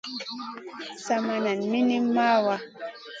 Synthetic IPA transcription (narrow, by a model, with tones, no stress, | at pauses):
sa˨ma˨na˨nmi˦ni˦mmːa˦wa˦